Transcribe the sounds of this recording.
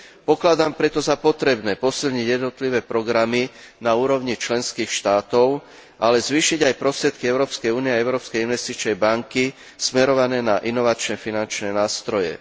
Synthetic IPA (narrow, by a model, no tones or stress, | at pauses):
pɔklad̪aːmpɾɛt̪ɔzapɔt̪ɾɛbnɛːpɔsilɲiɟjɛd̪nɔt̪liʋɛːpɾɔɡɾaminauːɾɔʊɲit͡ʃlɛnskiːxʃt̪aːt̪ɔʊ | ʔalɛzʋiːʃiɟajpɾɔst̪ɾɛt̪kiɛʊɾɔːpskɛjuːniɛaɛʊɾɔːpskɛjinʋɛst̪it͡ʃnɛjbaŋki | smɛɾɔʋanɛːnaʔinɔʋat͡ʃnɛfinant͡ʃnɛnaːst̪ɾɔjɛ̰